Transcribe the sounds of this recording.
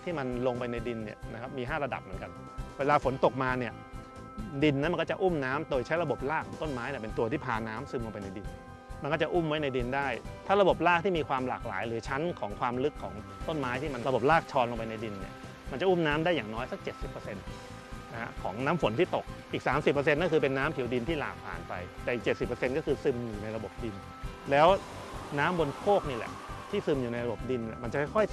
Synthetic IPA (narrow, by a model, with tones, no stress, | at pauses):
t̪ʰiː˥˩ma˧nlo˧ŋpa˧jna˧jdi˧nːi˥˩ɐna˦˥kʰa˦˥p̚miː˧ɦaː˥˩ɾa˧da̰˨˩p̚mɯ˩˦nka˧n | weː˧laː˧fo˩˦nt̪o˨˩k̚maː˧ni˥˩ɐ | di˧nːa˦˥nm˧nkɔ˥˩t͡ɕa˨˩ʔuː˥˩mnaː˦˥md̪oː˧jt͡ɕʰa˦˥jɾa˧bo˨˩p̚laː˥˩kʰːɔː˩˦t̪o˥˩nmaː˦˥jni˧˩pe˧nt̪u˧ət̪ʰiː˥˩pʰaː˧˩nːaː˦˥msɯː˧mlo˧ŋpa˧jna˧jdi˧n | ma˧nkɔː˥˩t͡ɕa˨˩ʔu˥˩mwa˦˥jna˧jdi˧ndaː˥˩jt̪ʰaː˥˩ɾa˧bo˨˩p̚laː˥˩k̚t̪ʰiː˥˩miː˧kʰwaː˧mla̰ː˨˩k̚la̰ː˩˦jɾɯː˩˦t͡ɕʰa˦˥nkʰɔː˩˦ŋkʰwaː˧mlɯ˦˥kʰːɔː˩˦ŋt̪o˥˩nmaː˦˥jt̪ʰiː˥˩ma˧nɾa˧bo˨˩p̚laː˥˩k̚t͡ɕʰɔː˧nlo˧ŋpa˧jna˧jdi˧nːi˦˥˩ɐ | ma˧nt͡ɕa˨˩ʔuː˥˩mnaː˦˥mdaː˥˩jːaː˨˩ŋnɔː˦˥jsa˦˥k̚t͡ɕe˨˩t̪̚si˨˩pːəː˧se˧n | na˦˥hʰa̰˦˥kʰɔː˩˦ŋnaː˦˥mfo˩˦nt̪ʰiː˥˩t̪o˨˩k̚ʔiː˨˩k̚saː˩˦msi˨˩pːəː˧se˧nːkɔː˥˩kʰɯː˧pe˧nːaː˦˥mpʰwdi˧nt̪ʰiː˥˩la̰ː˨˩k̚pʰa̰ː˨˩npa̰˧jt̪ɛ˨˩ʔi˨˩k̚t͡ɕe˨˩t̪si˨˩pːə˧se˧nkɔː˥˩kʰɯː˧sɯ˧mjuː˨˩na˧jɾa˧bo˨˩p̚di˧n | lɛː˦˥w | naː˦˥mbo˧nkʰoː˥˩k̚niː˥˩lɛ̰˨˩ʔt̪ʰiː˥˩sɯ˧mjuː˨˩na˧jɾa˧bo˨˩p̚di˧nɛ̰˨˩ma˧nt͡ɕa˨˩kʰɔ˥˩kʰɔ˥˩j